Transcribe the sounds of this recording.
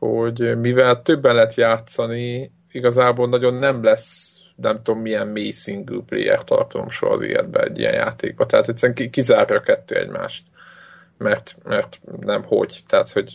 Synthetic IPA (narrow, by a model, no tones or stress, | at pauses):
ho̞ɟmivɛlt̪øbːɛnlɛɦɛt̪jaːt̪sɒni | iɡɒzaːboːlnɒɟo̞nːɛmlɛs | nɛmt̪o̞mːijɛmmeːjsiŋɡyːplḛːjɛ̰rt̪ːɒ̰rt̪ɒzo̰mʃo̰ɦɒzḛːɛd̪̚bɛ̰ɛ̰ɟːḭjɛ̰nja̰ːt̪eːɡ̚bɒt̪ɛɦaːt̪ɛt̪sɛɾɛŋkikizaːrjɒːkɛt̪ːøːɛ̰ɟma̰ːʃt̪ | mɛrt̪mɛrt̪nɛmho̞ɟt̪ɛɦat̪ho̞ɟ